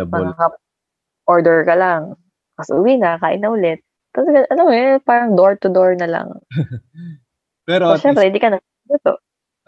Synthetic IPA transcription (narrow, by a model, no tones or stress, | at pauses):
bmɐakɐ | ʔoɹd̪ɛɹkɐlaŋ | kɐsʔʊwinɐkaːʔɪnɐʔʊlɛt̪̚ːɐlɐɡɐʔɐlamːoɛpaːɾɐŋd̪oɹt̪ʊd̪oɹnɐlɐ̰ŋ | pɛɾoʃɛmpɾɛɪnd̪ikɐnɐ | dɐt̪o̰